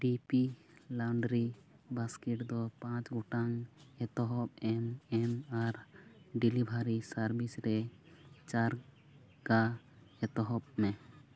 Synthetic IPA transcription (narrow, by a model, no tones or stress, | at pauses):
ɖipi | lawɳɖɾibaskɛʈd̪ɔpãt͡ʃɡɔʈaŋɛt̪ɔɦɔpɛmɛmaɾɖilibʱaɾisaɾbisɾɛt͡ʃaɾ | ɡa | ɛt̪ɔɦɔp̚mɛ